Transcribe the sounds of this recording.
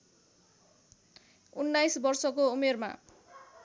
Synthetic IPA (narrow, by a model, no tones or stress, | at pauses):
unːajsbʌrsʌkoumerma̰